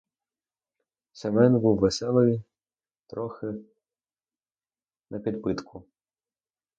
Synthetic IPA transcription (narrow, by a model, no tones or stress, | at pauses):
sʲɛmɛnʲbuwːesɛlˠɔji | t̪ɾɔxɪ | nʔɐpʲid̪pɪt̪kʰʊ